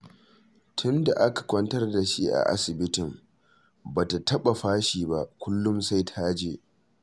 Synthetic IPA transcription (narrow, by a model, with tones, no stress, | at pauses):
tʰʊ˦nda˨ʔa˦kḁ˨kʷɐ˦ntɐ˦rda˨ʃi˦ʔa̰˨ʔa̰˦sɪ˨bɪ˦tɪ˨m | baː˨ta˨tɐ˦ɓa˨ɸaː˦ʃiː˨ba˦ʔkʷʊ˦lːʊ˦msa˦jtʰaː˦d͡ʒeː˦ʔ